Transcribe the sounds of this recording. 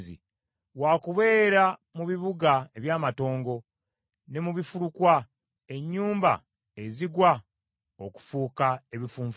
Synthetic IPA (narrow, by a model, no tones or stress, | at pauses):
zḭ | waːkuβe̞ːɾamuβiβuɡae̞βjaːmato̞ːŋɡo̞ | ne̞muβifuɾukwa | e̞ɲːuːmba̰ | eziɡwa | oku̥fuːkae̞βifuːɱf